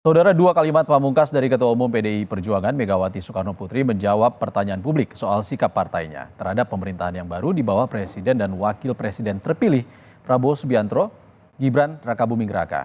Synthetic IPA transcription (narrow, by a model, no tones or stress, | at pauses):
saudaɾaduakalimat̪̚pamuŋkasdaɾikət̪uwaumumpedeipərd͡ʒuaŋanmeɡawat̪isukarnoput̪ɾiməɲd͡ʒawapːərt̪aɲaːnpublɪksoalsikapːart̪aiɲa̰t̪ərhadapːəməɾint̪aɦanjaŋbaɾudibawahpɾesidɛndanwakɪlpɾesidɛnt̪ərpilɪh | pɾabosbiant̪ɾo | ɡibɾanrakabumiŋɡɾa̰ka̰